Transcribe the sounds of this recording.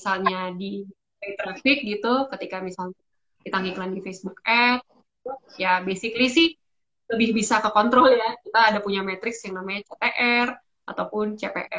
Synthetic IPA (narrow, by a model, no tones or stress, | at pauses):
salɲadi | ait̪ɾafɪk̚ɡit̪ukət̪ikamisalɲa | d̥it̪aŋiklandifesbuk̚ɛt̪̚ | it̪ujabesiklisɪh | ləbɪhbisakəkɔnt̪ɾɔljakit̪aːdapuɲamɛt̪ɾɪksjaŋnamaɲat͡ʃepeʔɛr | at̪awpʊnt͡ʃepḛʔɛ